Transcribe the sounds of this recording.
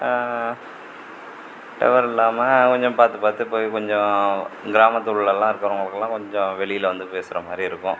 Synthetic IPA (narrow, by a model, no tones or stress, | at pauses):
ʈɐ̰ʋɐɾɪlːaːmɐkɔɲd͡ʒɔ̃paːɾt̪ɯpaːɾt̪ɯɪpːoːjkɔɲd͡ʒɔ̃ɡɪɾaːmɐt̪ːuɭɪlɛlːãːɪɾɯkːɐɾɐʊŋɡɐɭɯkːɐlːãːkɔɲd͡ʒɔ̃ʋɛɭɪjɪlʋɐnd̪ɯpeːsɪɾɐmaːd̪ɾiɪɾɯkːʊ̃